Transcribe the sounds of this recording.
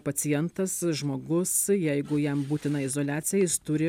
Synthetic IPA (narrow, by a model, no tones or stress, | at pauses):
pɐt̪sʲɪjɛnt̪ɐsʒmoːɡʊsjɛɪɡʊjɛmbuːt̪ʲɪnɐɪzoːlʲæːtsʲɪjɛjɪst̪ʊɾʲɪ